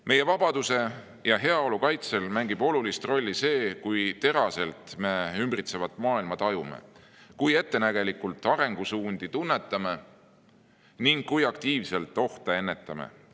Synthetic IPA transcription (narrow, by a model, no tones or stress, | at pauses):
me̞je̞vɑb̥ɑd̪̥use̞ | jɑɦe̞ɑo̞lukɑjt̪se̞lmæŋɡib̥o̞lulist̪ro̞lʲːise̞ːkujt̪e̞ɾɑse̞lt̪me̞ymbrit̪se̞vɑt̪ːˑmɑːilmɑt̪ɑjumḛ | kuje̞t̪ːe̞næɡ̥e̞likult̪ːˑɑɾe̞ŋɡ̥usuːnd̪̥it̪unːe̞t̪ːˑɑme̞ | niŋɡːujɑkt̪iːvse̞lt̪ːˑo̞ht̪ee̞nːe̞t̪ːˑɑmḛ